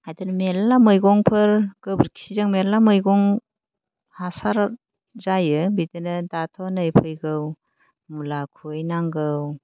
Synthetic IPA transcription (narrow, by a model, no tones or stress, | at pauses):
ajdɯnmelːamɯjɡɔŋpʰɯɾɡ̥ɯbəɾkʰi̥sizaŋmelamɯjɡɔŋ | hasaɾ | zajɯbidɯnɯdatʰɔnɯjpʰɯjɡɯw | mulakʰojnaŋɡɯw